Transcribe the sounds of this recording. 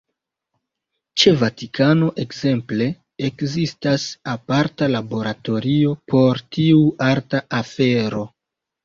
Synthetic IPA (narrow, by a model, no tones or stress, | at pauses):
t͡ʃe̞vatikʰano̞ʔe̞kze̞mple̞ | ekzistasapaɾtalabo̞ɾato̞ɾio̞pʰo̞ɾtiuaɾtaʔafe̞ɾo̞